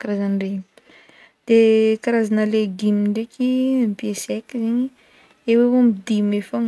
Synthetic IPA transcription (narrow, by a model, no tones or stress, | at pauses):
kaɾazanre | d̪̥ekaɾazanəleɡimiɳɖ͡ʐekipiesɛkiziɲi | ewewomid̪imefaŋ